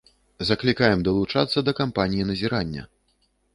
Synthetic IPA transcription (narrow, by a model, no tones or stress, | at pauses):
zɐklʲikajɛmd̪ɐlˠut͡ʂa̰t̪sːɐd̪ɐkampanʲijinɐzʲiɾanʲːɐ̰